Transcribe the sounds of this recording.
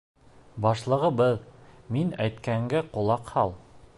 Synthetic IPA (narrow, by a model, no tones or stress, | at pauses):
bɑʃlˠɤ̆ʁɤbɤðminæjt̪kæŋɡæqŏlˠɑqhɑlˠ